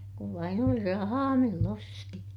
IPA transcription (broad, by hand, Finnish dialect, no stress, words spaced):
kuʋ ʋɑin oli rɑhɑː milː osti